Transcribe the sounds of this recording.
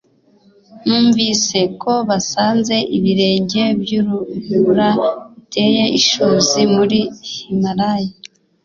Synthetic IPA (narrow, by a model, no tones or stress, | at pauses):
nuːɱviːse̞ko̞βasaːnze̞ʔiβiɾe̞ːɲɟe̞bjuɾuhuɾaβitʰe̞ːje̞ʔiʃuːzimuɾihimaɾaja